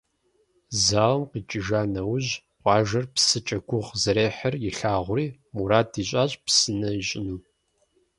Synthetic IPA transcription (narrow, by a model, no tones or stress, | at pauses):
zaːʁmqiːt͡ʃʼɪʒaːnɐwʑ | qʷʼɑːʒɐrpsɨt͡ʃʼɐɡʷʊʁzɐɾeːħɐrjɪɬaːʁʷʊriːmuɾaːdiːɕʼaːɕʼpsɨnɐiɕʼɪnuː